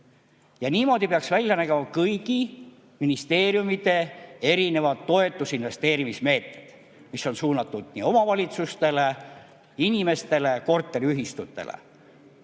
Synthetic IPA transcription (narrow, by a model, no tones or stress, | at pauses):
jɑniːmo̞ːd̪̥ipeɑksvælʲjɑnæɡ̥emɑkɤjɡ̥i | minist̪e̞ːɾjumit̪e̞e̞ɾine̞vɑd̪ːo̞e̞t̪ːˑusinve̞st̪e̞ːɾimisme̞ːt̪ned̪̥ | miso̞nsuːnɑt̪ːˑud̪̥nḭːo̞mɑvɑlʲit̪sust̪e̞le̞ | inime̞st̪e̞le̞ko̞rt̪ˑːeɾiyɦist̪ut̪ˑːe̞̰lḛ